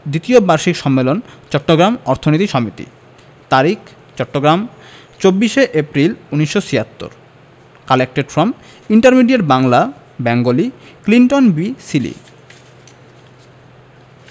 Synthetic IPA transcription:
d̪it̪iobaɾʃikʃɔmːelont͡ɕɔʈːoɡɾamɔɾt̪ʰonit̪iʃɔmit̪ḭ | t̪aɾikʰ | t͡ɕɔʈːoɡɾam | t͡ɕobːiʃeʔepɾiluniʃːosiat̪ːo̰ɾ | kalek̚ʈeɖfɾɔm | iɳʈaɾmiɖieɾbaŋla | bɛŋɡolikliɳʈonbisilḭ

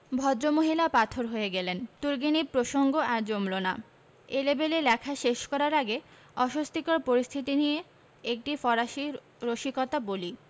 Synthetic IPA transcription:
bʱɔd̪ɾomoɦilapat̪ʰoɾɦoeɡɛlent̪uɾɡinipɾoʃoŋɡoaɾd͡ʑomlona | elebelelɛkʰaʃeʃkɔɾaɾaɡe | ɔʃost̪ʰikɔɾpoɾist̪ʰit̪inije | ek̚ʈifɔɾaʃi | ɾoʃikɔt̪aboli

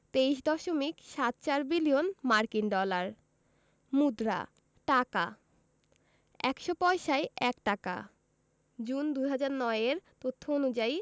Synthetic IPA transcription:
t̪eiʃd̪ɔʃomikʃat̪̚t͡ɕaɾbilijonmaɾkinɖɔlaɾ | mud̪ɾa̰ | ʈaka̰ | ɛkʃopɔeʃaeɛkʈaka̰ | d͡ʑund̪ujɦad͡ʑaɾnɔeeɾt̪ot̪ʰːoonud͡ʑai

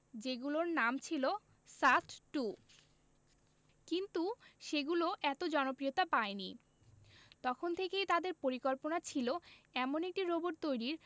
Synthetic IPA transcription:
d͡ʑeɡuloɾnamt͡ɕʰilo | saʈʈu | kint̪uʃeɡuloʔɛt̪od͡ʑɔnopɾijot̪apaeni | t̪ɔkʰont̪ʰekejt̪ad̪eɾpoɾikoɾponat͡ɕʰiloɛmonek̚ʈiɾoboɾt̪ojɾiɾ

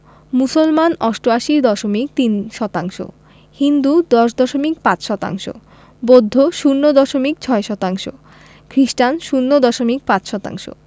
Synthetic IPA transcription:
musolmanɔsʈoaʃiɾd̪ɔʃomik̚t̪inʃɔt̪aŋʃo̰ | hind̪ud̪ɔʃd̪ɔʃomik̚pãt͡ɕʃɔt̪a̰ŋʃo̰ | bod̪ʱːoʃunːod̪ɔʃomikt͡ɕʰɔeʃɔt̪aŋʃo̰ | kʰɾisʈanʃunːod̪ɔʃomik̚pãt͡ɕʃɔt̪a̰ŋʃo̰

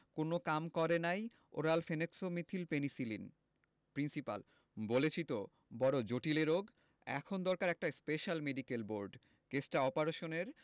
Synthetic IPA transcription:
konokamkɔɾenaj | o̰ɾalfeneksomit̪ʰilpenisilin | pɾinsipa̰l | bolet͡ɕʰit̪o | bɔɾod͡ʑoʈileɾoɡ | ɛ̰kʰond̪ɔɾkaɾɛk̚ʈaspeʃalmeɖikelboɾɖ | kesʈaɔpaɾeʃoneɾ

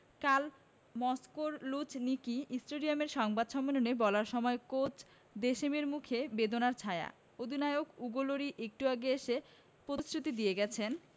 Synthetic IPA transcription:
kal | mɔskoɾlut͡ɕnikiisʈoɾiameɾʃɔŋbad̪ʃɔmːenonebɔlaɾʃɔmɔekot͡ɕ | d̪eʃemeɾmukʰebed̪onaɾt͡ɕʰaea̰ | od̪ʱinaeokuɡoloɾiʔek̚ʈuaɡeeʃe | pɾot̪isɾut̪id̪ijeɡɛt͡ɕʰen

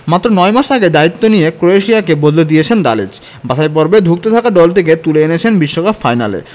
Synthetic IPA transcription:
mat̪ːɾonɔemaʃaɡed̪ait̪ːonijekɾoeʃiakebod̪led̪ijet͡ɕʰend̪a̰lḛd͡ʑ | baʃajp̬ɔɾbed̪ʱuk̚t̪et̪ʰakaɖɔlt̪ʰek̬et̪uleenet͡ɕʰenbiʃːokapfajna̰lḛ

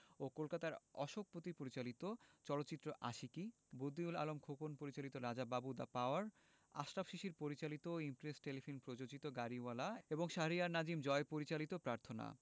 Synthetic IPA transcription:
okolkat̪aɾɔʃok̚pot̪ipoɾit͡ɕalit̪ot͡ɕɔlot̪ːɕit̪ːɾoʔa̰ʃiki | bod̪iula̰lomkʰokonpoɾit͡ɕalit̪oɾad͡ʑababud̪apaoaɾ | a̰ʃɾabʃiʃiɾpoɾit͡ɕalit̪oimpɾesʈelifʰonpɾod͡ʑod͡ʑit̪oɡaɾiwalaeboŋʃaɦɾiaɾnad͡ʑimd͡ʑɔepoɾit͡ɕalit̪opɾaɾt̪ʰona̰

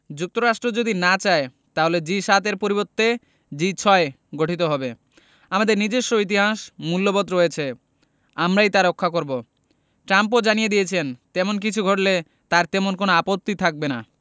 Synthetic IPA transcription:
d͡ʑuk̚t̪oɾaʃʈɾod͡ʑod̪inat͡ɕae | t̪aɦoled͡ʑiʃat̪eɾpoɾibot̪ːe | d͡ʑit͡ɕʰɔe | ɡoʈʰit̪oɦɔbe | amad̪eɾnid͡ʑeʃːoit̪̬iɦaʃmulːobot̪ːɾoet͡ɕʰe | amɾajt̪aɾokʰːakoɾbo | ʈɾamp̬od͡ʑanijed̪ijet͡ɕʰent̪ɛmonk̬it͡ɕʰuɡʱoʈle | t̪aɾt̪ɛmonkonoapot̪ːit̪ʰak̚bena

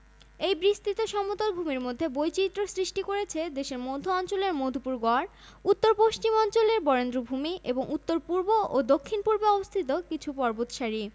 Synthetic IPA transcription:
ejbɾist̪it̪oʃɔmot̪olbʱumiɾmod̪ʱːebojt͡ɕit̪ːɾosɾiʃʈikoɾet͡ɕʰed̪eʃeɾmod̪ʱoɔnt͡ɕoleɾmod̪ʱopuɾɡɔɾ | ut̪ːoɾpoʃt͡ɕimɔnt͡ɕoleɾbɔɾend̪ɾobʱumiʔeboŋut̪ːoɾpuɾboʔod̪okʰːinpuɾbeɔbost̪ʰit̪okit͡ɕʰupɔɾbot̪ʃaɾi

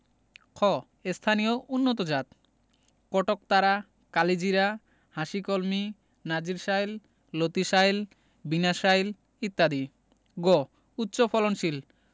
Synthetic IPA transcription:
kʰɔ | est̪ʰanijoʔunːot̪od͡ʑat̪̚ | kɔʈok̚t̪aɾa | kalid͡ʑiɾa | haʃikolmi | nad͡ʑiɾʃajlː | ot̪iʃajl | binaʃajl | it̪ːad̪i | ɡɔ | ut̪ːɕopʰɔlonʃil

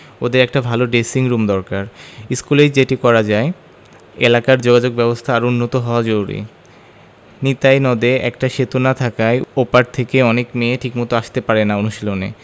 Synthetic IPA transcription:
od̪eɾɛk̚ʈabʱaloɖesiŋɾumd̪ɔɾkaɾiskulejd͡ʑeʈikɔɾad͡ʑae | elakaɾd͡ʑoɡad͡ʑoɡ̚bɛbost̪ʰaːɾunːot̪oɦɔoad͡ʑoɾuɾḭ | nit̪ajnɔd̪eɛ̰kʈaʃet̪unat̪ʰakaeopaɾ̚t̪ʰekeɔnekmeːʈʰikmɔt̪oaʃt̪epaɾenaonuʃilonḛ

